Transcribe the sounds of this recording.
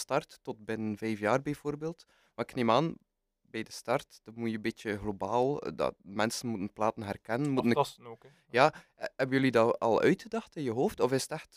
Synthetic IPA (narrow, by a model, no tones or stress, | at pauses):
stɑrtːɔt̚bɪnənvɛjfjaːrbɛjv̥oːrbeːlˠt | maːɪkneːmaːn | bɛjdəstɑrtd̥ɑmujəbɪt͡ʃəɣlobaːlˠdɑ̰mɛnsənmutənplaːtənɦɛrkɛnənmutən | jaːɦɛbənjɵlidɑɑ̰lˠœ̰ɥtxədɑxtɪnjəɦoːftɔfɪsə̥tɛxt